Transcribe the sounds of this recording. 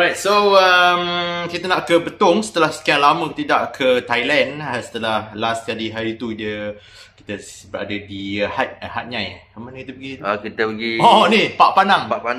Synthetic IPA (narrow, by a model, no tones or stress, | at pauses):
ɾajt̪̚soəmkit̪ənaʔkəbət̪ʊŋsə̥t̪əlahsə̥kiaŋlamə̃kt̪idaʔkʰət̪ajlɛnasə̥t̪əlahlaskadiɦaɾit̪udiə | ki̥t̪əbəɾa̰dədihat̪̚hat̪̚ɲãja | əmanəkit̪əpəɡikit̪əpəɡiɔnipaʔpanãŋpapa